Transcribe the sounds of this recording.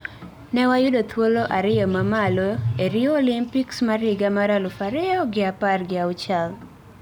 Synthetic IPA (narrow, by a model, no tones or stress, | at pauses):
nɛwajʊdot̪woloʔaɾɪɔmamaloeɾioːlimpiksmaɾɪɡamaɾalʊfaɾɪjɔɡɪaparɡɪawt͡ʃal